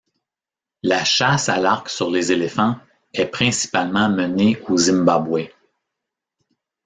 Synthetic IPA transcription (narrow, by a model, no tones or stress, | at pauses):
laʃasalaʁksyʁlezelefɑ̃ | ɛpχɛ̃si̥palmɑ̃məneozĩmbabwɛ